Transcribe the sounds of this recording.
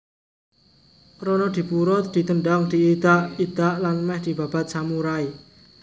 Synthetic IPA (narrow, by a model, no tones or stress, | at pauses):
ɾɔnɔd̪̥i̤puɾʊt̪̚d̪̥i̤t̪əɳɖaŋd̪̥i̤id̪̥aʔid̪̥aʔlanmɛhd̪̥i̤b̥a̤b̥a̤t̪̚samuɾai